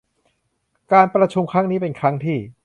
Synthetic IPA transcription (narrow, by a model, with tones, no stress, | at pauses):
kaː˧npɾa˧t͡ɕʰu˧mkʰɾa˦˥ŋniː˦˥pe˧nkʰɾa˦˥ŋt̪ʰiː˥˩